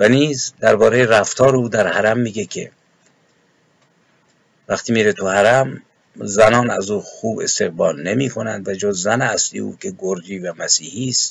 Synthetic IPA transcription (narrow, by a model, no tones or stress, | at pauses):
væniːzd̪æɾbɒːɾejeɾæft̪ʰɒːɾeuːd̪æɾhæɾæmːiːɡekʰḛ | væxt̪iːmiːɾet̪ʰuhæɾæm | zænɒːnæ̰zuːxuːbe̞̰st̪e̞ɣbɒːlnemiːkʰo̞nænd̪væd͡ʒozːæneæslḭj̰ṵːkʰe̞ɡoɾd͡ʒiːvæmæsiːhiːst̪